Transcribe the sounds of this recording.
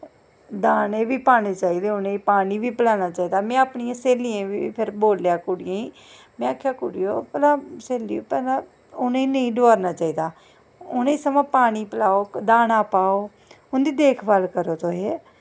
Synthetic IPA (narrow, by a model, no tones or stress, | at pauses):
d̪aːneːʋiːpaːneːt͡ʃaːiːd̪eːʊnẽipaːniːʋiːpəlaːnaːt͡ʃaːiːd̪aːmɛ̃ːaːpɳijãːseːlijãːʋiːpʰɪɾboːljaːkʊɽɪjãːĩː | mɛ̃ːaːkʰjaːkʊɽijo̰ːpɛlãːseːliːoːpɛːlaː | ʊnẽiːnəĩːɖoaːɾnaːt͡ʃaːiːd̪aː | ʊnẽiːsəmãːpaːñiːpəlaːoːd̪aːnaːpaːoː | ʊnd̪iːd̪eːkʰbalkəɾoːt̪oːɦeː